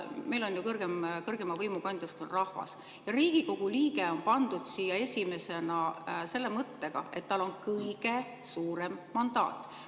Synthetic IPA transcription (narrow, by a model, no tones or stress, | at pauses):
me̞jlo̞njukɤrɡ̥emkɤrɡ̥e̞mɑvɤjmukɑnd̪̥ʲjɑsk̪onrɑhvɑ̰s | jɑɾiːɡ̥iko̞ɡ̥uliːɡ̥eo̞npɑnd̪̥ud̪̥siːjɑe̞sʲime̞se̞nɑse̞lːe̞mɤt̪ːe̞ɡ̥ɑ̰ʔe̞̰t̪ːɑlo̞nkɤjɡ̥e̞ | suːɾe̞mːɑnd̪̥ɑ̰ːt̪ːˑ